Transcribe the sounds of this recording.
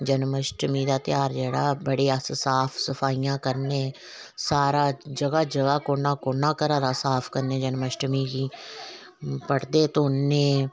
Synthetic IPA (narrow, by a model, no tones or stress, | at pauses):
d͡ʒənməʃʈmiːd̪aːt̪ɪjaːɾd͡ʒeːɽaːbəɽeːassaːpʰsəpʰaːiːjãːkəɾneː | saːɾaːd͡ʒəɡaːd͡ʒəɡaːkoːnãːkoːnãːkəɾãːd̪aːsaːpʰkəɾneːd͡ʒənməʃʈmiːɡiː | pəʈʰd̪eːt̪õʊnːẽː